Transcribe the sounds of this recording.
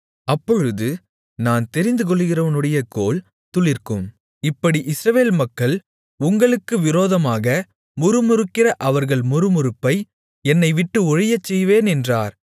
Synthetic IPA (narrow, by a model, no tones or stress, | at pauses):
ɐpːɔɻɯðɯ | naːnt̪ɛɾɪnd̪ɯk̬ɔɭːɯɣɪrɐʋɐnɯɽɐjɐkoːl | t̪ʊɭɪɾkɯm | ɪpːɐɽiʔɪsɾɐʋeːlmɐkːɐɭ | ʊŋɡɐɭɯkːɯʋɪɾoːðɐmaːɣɐ | mʊɾɯmʊɾɯkːɪrɐʔɐʋɐɾɣɐɭmʊɾɯmʊɾɯpːɐɪ | ɛnːɐɪʋɪʈːɯɔɻɪjɐt͡ʃːɛjʋeːnɛndraːɾ